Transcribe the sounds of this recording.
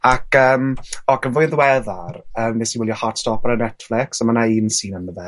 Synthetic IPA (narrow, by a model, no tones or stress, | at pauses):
akəːmɔkənvʊɨðwɛðarəːmːɛsiwɪlˠjɔhatstɔpaɾənɛtflɪksamanaiːnsiːnanəðɛ